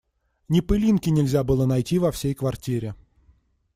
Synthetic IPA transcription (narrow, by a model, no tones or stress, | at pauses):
nʲɪpɨlʲinkʲɪnʲɪlʲzʲabɨlˠənɐjtʲivɐfsʲejkvɐrtʲiɾʲɪ